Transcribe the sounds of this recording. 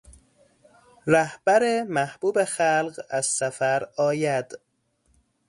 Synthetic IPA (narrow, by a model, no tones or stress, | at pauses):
ræhb̥æɾemæhb̥uːbexælɢæz̥sæfæɾɒːjæd̪̥